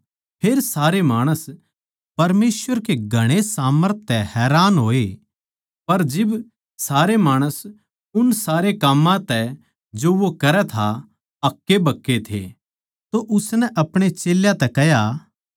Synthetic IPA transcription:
pʰeːɾsaːɾemaːɽ̃əs | pɐɾmeːsʋəɾkeɡʱɐɽ̃esaːməɾt̪̚ʰːɛhɛːɾaːnɦoːe | pɐɾd͡ʒɪb | saːɾemaːɽ̃əs | ʊnsaːɾekɐmːãt̪ɛ | d͡ʒoʋokɐɾɛt̪ʰa | ɐkːebʱɐkːet̪ʰḛ | t̪oʔʊsnɛʔɐpɽ̃et͡ʃeːljãt̪ɛkɛja

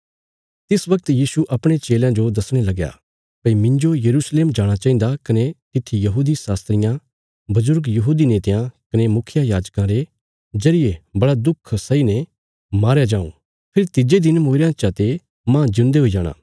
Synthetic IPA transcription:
t̪ɪsʋɐk̚t̪jiːsuʔɐpɽ̃et͡ʃeːljãd͡ʒod̪ɐsɽ̃elɐɡja̰ | pɐimɪ̃ɲd͡ʒojɐɾuːsleːmd͡ʒaːɽ̃at͡ʃaːĩnd̪akɐnet̪ɪt̪ʰːijɐɦuːd̪isaːst̪ɾɪjã | bɐzʊɾɡjɐɦuːd̪ineːt̪jãkɐnemʊkʰɪjajaːd͡ʒkãɾe | d͡ʒɐɾɪjebɐɽad̪ʊkʰsɐine | maːɾjad͡ʒãːṵ̃ | pʰɪɾt̪ɪd͡ʒed̪ɪnmoːɾãt͡ʃat̪e | mãd͡ʒɪ̃nd̪eɦoid͡ʒaːɽ̃a̰ː

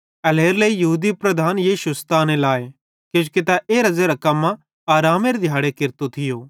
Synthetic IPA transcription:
ɐleːɾləijɐɦuːd̪ipɾɐd̪ʱaːnjiːʃust̪aːnẽlaːe | kõːd͡ʒket̪aʔeːɾɐzeɾɐkɐmːã | aːɾaːmeɾed̪ʱjaːɽekɪɾt̪ot̪ʰɪjoː

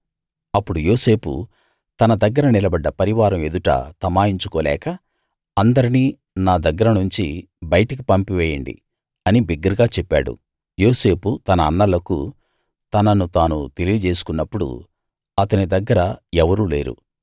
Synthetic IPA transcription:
ɐpːuɽujoːse̞ːpṵ | t̪ɐnɐd̪ɐɡːɐɾɐnilɐbɐɖːɐpɐɾiʋaːɾɐme̞d̪uʈɐ̰t̪ɐmaːjiɲt͡ʃukɔːlɛ̰ːkɐː | nd̪ɐɾiniː | naːd̪ɐɡːɐɾɐnuɲt͡ʃi | bɐjɐʈɐk̬ipɐmpiʋɛːjɐɳɖḭ | ɐnibiɡːɐɾɡaːt͡ʃɛpːa̰ːɽṵ | joːse̞ːput̪ɐnɐːnːɐlɐkṵ | t̪ɐnɐnut̪aːnut̪e̞lijid͡ʒe̞ːs̬u̥kunːɐpːuɽṵ | ɐt̪ɐnid̪ɐɡːɐɾɐɛʋɐɾuːleːɾṵ

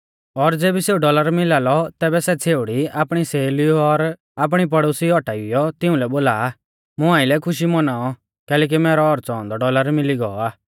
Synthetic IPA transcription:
ɔɾd͡zeːbiseːuɖɔləɾmɪlaːlɔt̪ɛːbɛsɛt͡sʰeːʊɽiapɽ̃iseːliuɔɾ | ap̬ɽ̃ip̬ɐɽoːsiɔʈaiʊjɔt̪ɪũlɛboːlaː | mʊ̃ãːɪlɛkʰʊʃ̬imɔnaːɔ | kɛːlɛːk̬imɛːɾɔɔɾt͡sɔ̃ːɔ̃nd̪ɔɖɔləɾmɪliɡɔɔaː

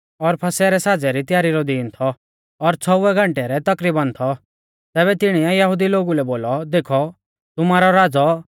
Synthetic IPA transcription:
ɔɾpʰɐsɛɾɛsaːd͡zɛɾit̪ɪjaːɾiɾɔd̪iːnt̪ʰɔː | ɾt͡sʰɔʊɛɡʱɐ̃ɳʈɛɾɛt̪ɐkɾiːbãnt̪ʰɔ | t̪ɛːβɛt̪ɪɽ̃iɛjɐɦud̪iloːɡulɛboːlɔd̪eːkʰɔ | t̪ʊmaːɾɔɾaːd͡zɔ

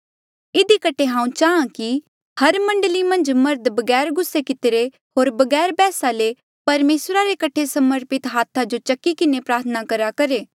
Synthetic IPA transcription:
ɪd̪ikɐʈʰeɦãːũt͡ʃaːãki | hɐɾmɐ̃ɳɖəlimɐ̃nd͡ʒmɐɾd̪bɐɡɛːɾɡʊsːekɪt̪ɪɾe | ɦoːɾbɐɡɛːɾbɛːsale | pɐɾmeːsɾaɾekɐʈʰesɐməɾpɪt̪ɦaːt̪ʰad͡ʒot͡ʃɐkːikɪnepɾaːɾt̪ʰənakɐɾakɐɾeː

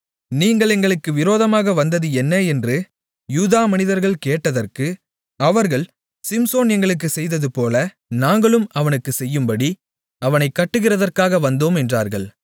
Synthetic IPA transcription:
niːŋɡɐɭɛŋɡɐɭɯkːɯʋɪɾoːðɐmaːɣɐʋɐnd̪ɐðɯɛnːɐɛndrɯ | juːðaːmɐnɪðɐɾɣɐɭkeːʈːɐðɐrkɯ | ɐʋɐɾɣɐɭ | sɪmsoːnɛŋɡɐɭɯk̬ːɯsɛjðɐðɯpoːlɐ | naːŋɡɐɭɯmɐʋɐnɯkːɯsɛjːɯmbɐɽi | ɐʋɐnɐɪkːɐʈːɯɣɪrɐðɐrkaːɣɐʋɐnd̪oːmɛndra̰ːɾɣɐɭ

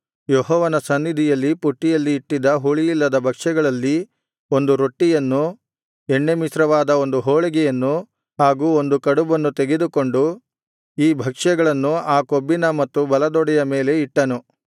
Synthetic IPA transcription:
jɔɦɔːʋɐnɐsɐnːid̪ʱijɐlːipuʈːijɐlːiːʈːid̪ɐɦuɭijilːɐd̪ɐbʱɐkʂɛɡɐɭɐlːi | o̞nd̪uɾo̞ʈːijɐnːu | ɛɳːemisɾɐʋaːd̪ɐo̞nd̪uɦɔːɭɛɡɛjɐnːu | ɦaːɡuːo̞nd̪ukɐɽubɐnːut̪eɡed̪uko̞ɳɖu | iːbʱɐkʂɛɡɐɭɐnːuaːkobːinɐmɐt̪ːubɐlɐd̪ɔɽɛjɐme̞ːle̞iʈːɐnu

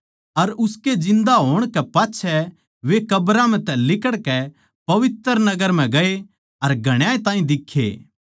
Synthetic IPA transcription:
ɐɾʊsked͡ʒɪ̃nd̪aɦoːɽ̃kɛpaːtːʃʰɛ | ʋekɐbɾam̤ɛ̃t̪ɛlɪkəɽkɛ | pɐʋɪt̪əɾnɐɡəɾm̤ɛ̃ɡɐe | ɐɾɡʱɐɽ̃jãːẽt̪ãːĩd̪ɪkʰːḛː

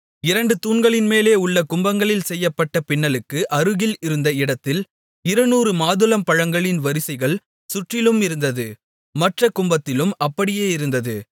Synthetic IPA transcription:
ɪɾɐɳɖɯt̪uːɳɡɐɭɪnmeːleːʊɭːɐkʊmbɐŋɡɐɭɪlsɛjːɐpːɐʈːɐpɪɳːɐlɯkːɯʔɐɾɯɣɪlɪɾɯnd̪ɐɪɽɐt̪ːɪl | ɪɾɐnuːɾɯmaːðɯlɐmpɐɻɐŋɡɐɭɪnʋɐɾɪsɐɪɣɐɭ | sʊʈrɪlɯmɪɾɯnd̪ɐðɯ | mɐʈrɐkʊmbɐt̪ːɪlɯmɐpːɐɽɪjeːɪɾɯnd̪ɐðɯ

